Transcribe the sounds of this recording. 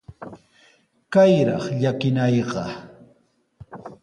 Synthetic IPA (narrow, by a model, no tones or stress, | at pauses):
kajɾɑ̰χʎakɪnɑjɢɑ